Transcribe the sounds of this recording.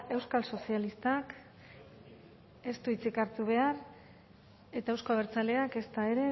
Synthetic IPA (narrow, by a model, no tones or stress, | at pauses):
e̞wskalso̞sialist̪ak | e̞st̪uit͡sikaɾt̪uβ̞e̞ar | e̞t̪aewsko̞aβeɾt͡sale̞ake̞st̪ae̞ɾe̞